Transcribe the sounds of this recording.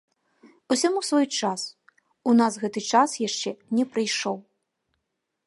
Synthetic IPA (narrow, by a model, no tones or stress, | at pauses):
usʲamusvɔjt͡ʂas | unasɣɛt̪ɨt͡ʂasjaʂt͡ʂɛnʲɛpɾɨjʂɔw